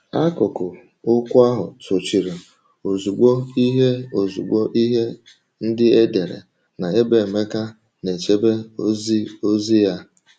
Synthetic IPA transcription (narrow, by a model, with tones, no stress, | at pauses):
a˦kʊ˨kʊ˨ | ʊ˦kʷʊ˦a˦ɦʊ˨to˨t͡ʃi˨ɾe˨ | o˨zu˨ɡ͡bo˦i˦ɦe˦o˨zu˨ɡ͡bo˦ʔi˦ɦe˦ | n̩˦dɪ˦e˦de˨ɾḛ˨ | na˨e˦be˨me˦ka˦ | ne˨t͡ʃe˦be˦zo˦zi˦ja˦